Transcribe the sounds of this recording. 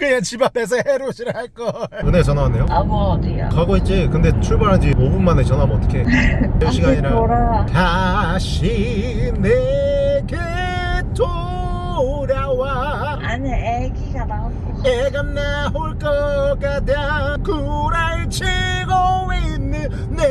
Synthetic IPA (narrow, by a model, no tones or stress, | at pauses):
kɯɲaŋt͡ɕibates̬ʰʌheɾoɕʰiɾaɭk͈ʌɯnet͡ɕʌnaane̞joamnea̰kaɡoit͡ɕ͈ekɯnde̞t͡ɕʰuɭbaɾɦad͡ʑimobunmanet͡ɕʌnamʌt͈ʌ̥kʰe̞eoɕʰiɡaɲiɾaɾataɕʰi | neke | to | ɾjawa | anee | ɡiɡana | eɡanneɦoɭk͈ʌkadakuɾaɭt͡ɕʰiɡomeinːɯnːe